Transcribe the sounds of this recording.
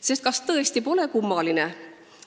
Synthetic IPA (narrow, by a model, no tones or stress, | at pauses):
se̞st̪̚kɑst̪ɤe̞st̪ipo̞le̞kumːɑline